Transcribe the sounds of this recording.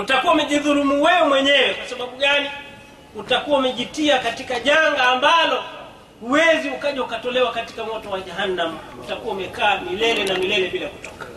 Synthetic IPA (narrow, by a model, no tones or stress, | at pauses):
utakuwaumɛʄiðuɾumuwɛɔmwɛɲɛwɛkwasaɓaɓuɠani | utakuwaumɛʄitiakatikaʄaŋɡaːmbalɔ | huwɛziukaʄaukatɔlɛwakati̥kamɔtɔwaʄaɦanːam̩ | utakuwaumɛkaːmilɛlɛnamilɛlɛɓilaku̥tɔkḁ